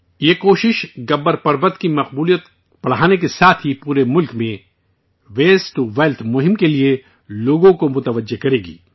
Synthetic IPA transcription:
jeːkoːʃɪʃɡɐbːəɾpɐɾbət̪kimɐqbuːlijət̪ | pɐɽ̤aːnek̬esaːt̪ʰɦipuːɾemʊlkmẽ | ʋeːsʈuʋeːlt̪ʰmʊɦɪmkelie | loːɡõkomʊt̪əʋəd͡ʒːekɐɾeːɡḭː

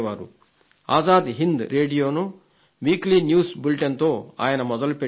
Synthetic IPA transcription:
ʋaːɾṵ | a̰ːzaːd̪iɦind̪ɾe̞ːɖijo̞ːnu | ʋiːkliːnjuːsbulʈɐnt̪o̞ːa̰ːjɐnɐmɔd̪ɐlupe

